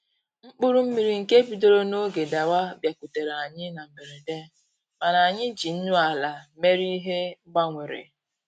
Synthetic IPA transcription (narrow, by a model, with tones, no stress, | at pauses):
ŋ͡m̩˦k͡pʊ˦ɾu˦m̩˦mi˨ɾi˨ŋ̩˨ke˦bi˨do˦ɾo˦no˦ɡe˨da˨wa˦bja˨ku˨te˨ɾa˨ɲɪ˦na˨m̩˨me˨ɾe˨de˦ | ma˨na˨a˨ɲɪ˦d͡ʒi˨n̩˦nʊ˦a˨la˨me˦ɾi˦ɦe˦ɡ͡ba˦ŋʷe˨ɾḛ˨